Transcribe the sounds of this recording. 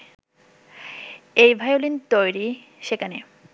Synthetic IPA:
ejbʱajolint̪ojɾi | ʃekʰane

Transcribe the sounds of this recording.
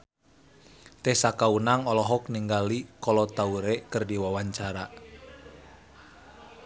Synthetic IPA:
t̪ɛsakaunaŋɔlɔɦɔkniŋɡalikɔlɔt̪auɾekərdiwawaɲt͡ʃaɾa

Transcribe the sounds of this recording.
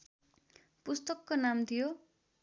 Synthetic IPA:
pust̪ʌkːonamt̪ʰijo

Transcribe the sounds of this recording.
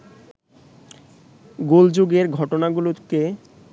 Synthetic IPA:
ɡold͡ʑoɡeɾɡʱɔʈonaɡuloke

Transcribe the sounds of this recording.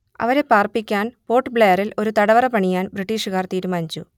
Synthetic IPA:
ɐ̰ʋɐɾe̞paːrpikʲːaːnpo̞ːʈːɨbɭejɐrilo̞ɾut̪ɐɽɐʋɐrɐpɐɳijaːnbriʈːiːʂɨɣaːrt̪iːɾumaːnt͡ɕu

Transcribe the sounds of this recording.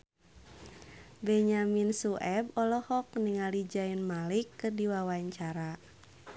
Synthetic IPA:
bɛɲaminsuʔɛbɔlɔhɔk̚niŋalid͡ʒainmalikːɨrdiwawaɲt͡ʃaɾa

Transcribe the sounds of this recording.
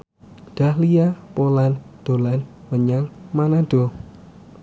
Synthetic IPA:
d̪̥a̤hlijapoland̪̥o̤lan | məɲaŋmanad̥o̤

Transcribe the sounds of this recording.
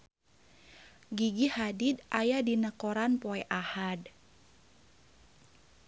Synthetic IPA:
ɡiɡihadidʔajadinəkoɾanpoɛʔahad

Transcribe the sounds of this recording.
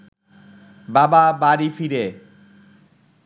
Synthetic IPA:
bababaɾifiɾe

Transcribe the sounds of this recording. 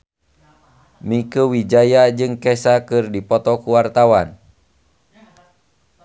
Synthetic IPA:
mikuwid͡ʒajad͡ʒɨŋkɛsakɨrdipɔt̪ɔkuwart̪awan

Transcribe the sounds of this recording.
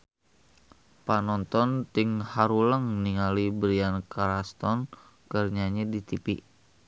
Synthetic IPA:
panɔnt̪ɔnt̪ɪŋhaɾuləŋniŋalibɾiankaɾast̪ɔn | kərɲaɲɛdit̪ipiʔ

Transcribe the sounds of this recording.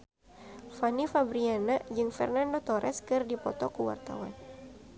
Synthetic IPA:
fanifabɾianad͡ʒɨŋfɛ̰rnandot̪ɔɾʔɛskɨrdipɔt̪ɔkuwa̰rt̪a̰wan

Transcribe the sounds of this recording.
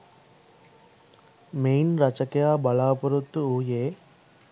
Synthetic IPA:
mejnɾɐt͡ʃɐkejaːbɐlaːpɐɾut̪ːuuːjeː

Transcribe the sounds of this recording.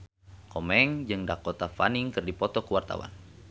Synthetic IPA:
kɔmɛŋd͡ʒɨŋdakɔt̪afa̰niŋkɨrdipɔt̪ɔkuwart̪a̰wa̰n

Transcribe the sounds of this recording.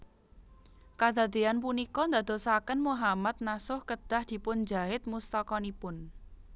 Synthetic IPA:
kad̪̥ä̤d̪eanp̬unikɔnd̪a̤d̪̥o̤sakənmuɦamat̪̚nasʊhkəd̪̥a̤hd̪̥i̤pʊnd͡ʒaɦɪt̪̚must̪ɔkɔnipʊn

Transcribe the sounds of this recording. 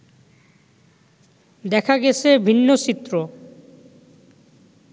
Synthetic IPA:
d̪ɛkʰaɡɛt͡ɕʰebʱinːot͡ɕit̪ːɾo

